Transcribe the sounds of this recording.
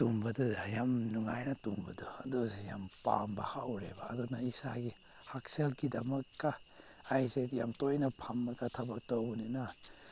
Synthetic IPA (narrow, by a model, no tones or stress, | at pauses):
tumbɐdujamnuŋajnɐtumbɐduɐdueja̰mpa̰mbɐ̰hawɾḛba̰ːdunaisa̰ɡi | hak̚selɡidɐmɐkːa | ajzetja̰mtojnɐpʰamːɐɡɐtʰɐbak̚townina